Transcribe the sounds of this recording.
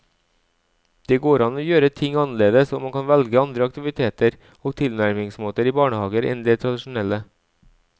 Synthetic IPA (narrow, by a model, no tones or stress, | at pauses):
d̪̥eːɡoːɾɑnoːjøːɾət̪ʰɪŋɑnəleːd̪əsɔmɑŋkʰɑnʋɛlɡəɑnd̪ɾəɑk̚t̪ɪʋɪt̪ʰeːt̪əɾ | oːɡ̚t̪ʰɪlnæɾmɪŋsmoːt̪əɾiːbɑːɳəhɑːɡəɾʔɛ̰nd̪eːt̪ʰɾɑd̪ɪʃʊn̩ɛlə